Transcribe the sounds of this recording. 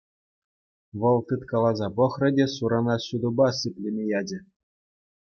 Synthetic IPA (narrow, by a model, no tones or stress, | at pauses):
ʋɤ̆lˠt̪ɯt̪kɑlˠɑzɑpɤ̆xrɤ̆dʲesuɾɑnɑɕud̪ubɑsɯpʲlʲemʲejɑd͡ʑʲɘ̆